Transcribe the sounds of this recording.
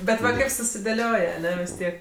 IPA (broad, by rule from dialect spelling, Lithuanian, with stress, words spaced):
ˈbʲɛt ʋɐ ˈkɐɪp sʊsʲɪdʲeːˈlʲoːj ɐˈnʲɛ ʋʲɪs ˈtʲiɛk